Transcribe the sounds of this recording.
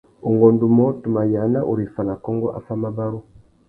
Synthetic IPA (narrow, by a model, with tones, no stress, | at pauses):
u˨ŋɡɔ˨ndu˨mɔ˦tu˨ma˨ja˨˦na˦ʔṵ˨ɾi˨fa˨na˨kɔ˦ŋɡɔ˦ʔa̰˨˦fa˦ma˦ba˦ɾu˦